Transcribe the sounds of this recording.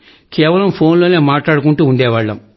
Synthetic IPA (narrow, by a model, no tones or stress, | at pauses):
keːʋɐlɐmpʰoːnloːneːmaːʈlaːɽukuɳʈuːɳɖɛːʋaːɭːɐm